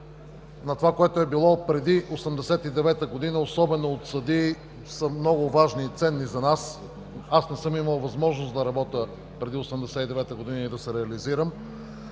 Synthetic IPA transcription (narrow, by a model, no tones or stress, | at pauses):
nɐt̪ovakoɛt̪oɛbilˠɔpɾɛd̪iʔosɛmd̪ɛsɛt̪id̪ɛvɛt̪əɡod̪inəosɔbɛnoːt̪sɐd̪i | səmnɔɡʊvaʒnit̪sɛnːizɐnas | asnɛsɤmiməlˠvɐzmɔʒnosd̪ɐɾɐbɔt̪ə | pɾɛd̪iosɛmd̪ɛsɛt̪id̪ɛvɛt̪əɡod̪inəid̪ɐsɛɾɛɐliziɾəm